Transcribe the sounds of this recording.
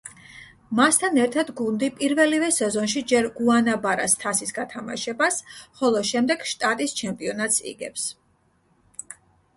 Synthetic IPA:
mast̪ʰanɛɾt̪ʰad̪ɡund̪ipʼiɾvɛlivɛsɛzɔnʃid͡ʒɛɾɡuanabaɾa̰st̪ʰasisɡat̪ʰama̰ʃɛbasχɔlˠɔʃɛmd̪ɛɡ̥ʃt̪ʼat̪ʼist͡ʃʰɛmpʼiɔnat̪sḭɡɛ̰ps

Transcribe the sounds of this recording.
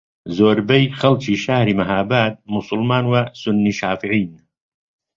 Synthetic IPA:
zoːɾbɐjxɐlt͡ʃiːʃahɾiːmɐɦaːbaːt̪̚mʊsˤʊlmaːnwɐsʊnːiːʃaːfiʕiːn

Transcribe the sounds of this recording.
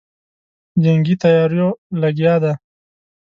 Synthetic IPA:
d͡ʒaŋɡit̪ajɑːɾjolaɡjɑd̪a

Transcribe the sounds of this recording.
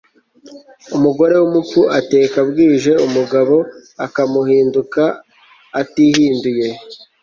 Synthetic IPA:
umuɡo̞ɾe̞wumukuʔate̞ːkabɡiːʒe̞umuɡaβo̞akamuhiːndukaː | tihiːnduje̞

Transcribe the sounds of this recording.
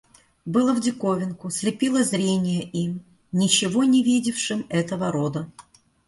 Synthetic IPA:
bɨlˠəvdʲɪkovʲɪnkʊsʲlʲɪpʲilˠəzɾʲenʲɪjəʔim | nʲɪt͡ɕɪvo̞nʲɪvʲidʲɪfʂɨmɛt̪əvəɾod̪ə

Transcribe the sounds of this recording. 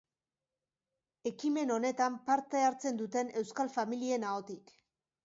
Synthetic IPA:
e̞kime̞no̞ne̞t̪ampaɾt̪e̞aɾt͡se̞nd̪ut̪e̞ne̞wskalfamilie̞nao̞t̪ik

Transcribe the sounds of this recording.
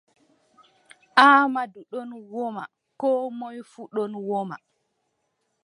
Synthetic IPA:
ʔaːmaduɗɔnwɔma̰ | kɔːmɔjfuɗɔnwɔma̰

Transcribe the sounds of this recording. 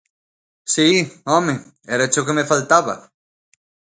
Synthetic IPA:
siome | eɾat͡ʃokemefalt̪aβa̰

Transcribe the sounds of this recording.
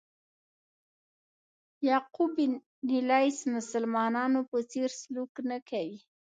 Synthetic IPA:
jɑqubi | nilɑjsmʊsalmɑnɑnopət͡seɾsluknakawi

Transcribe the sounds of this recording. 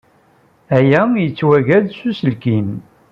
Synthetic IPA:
æjæjət͡sːwæʝæðsusəlkim

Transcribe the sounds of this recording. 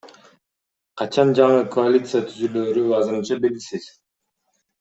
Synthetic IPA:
qʰɑt͡ʃɑnd͡ʒɑɴɯkʰoalʲit̪sɨjat̪ʰyzyløːɾyɑzɯɾɯnt͡ʃɑbelɡisiz̥

